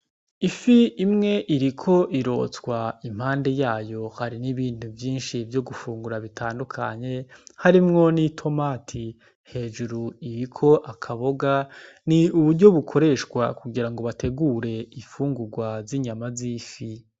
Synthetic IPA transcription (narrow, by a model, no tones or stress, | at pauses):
ifiimŋe̞ʔiɾikʰo̞ʔiɾo̞̰ːt͡skwaim̥haːnde̞jaːjo̞haɾiniβiːn̥uvjiːnʃivjo̞ɡufuːŋɡuɾaβitʰaːndukʰa̰ɲe̞haɾimŋo̞nitʰo̞maːtʰi | he̞ːd͡ʒuɾuiɾikʰo̞ʔakʰaβoɡa | niuβuɾɟo̞βukʰo̞ɾe̞ʃkwa̰kuɡiɾaŋɡo̞βatʰe̞ɡuːɾe̞ifuːŋɡuɾɡwaziɲamazifi